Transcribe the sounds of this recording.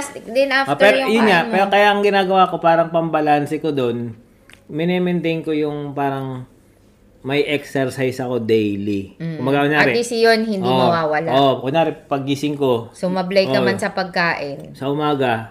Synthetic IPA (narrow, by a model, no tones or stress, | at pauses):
sd̪ɛnaft̪ɛɾʊjʊnɲapɛːɾokɐjaʔɐŋɡɪnaːɡɐwako̞paːɾɐŋpɐmbɐlansɛkod̪o̞n | mɛnɛmɛnt̪ɛjnko̞jʊŋpaːɾɐŋ | mɐjʔɛksɛɹsajsɐko̞d̪ɛjlikʊmbɐɡaʔkonaɐɾɛisɪjonhɪndimɐwaːwɐlaoʔkonaːɾɛpɐɡisɪŋkosʊmɐblɐjɐmansɐpɐɡ̚kaːʔɪnsɐʔʊmaːɡɐ